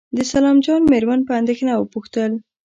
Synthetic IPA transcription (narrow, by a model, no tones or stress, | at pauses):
d̪əsalɑmd͡ʒɑnmeɾmanpəand̪exnawəpuxt̪əl